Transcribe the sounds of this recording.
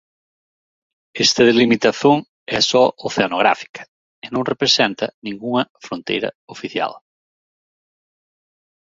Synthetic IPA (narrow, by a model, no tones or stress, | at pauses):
est̪ɐðelimit̪ɐθoŋ | ɛsɔʔoθeanoɣ̞ɾa̰fi̥kɐ̥ | ɪnõŋrepɾesɛnt̪ɐ̰nĩŋɡuŋɐfɾont̪ḛjɾɐ̰ofiθja̰l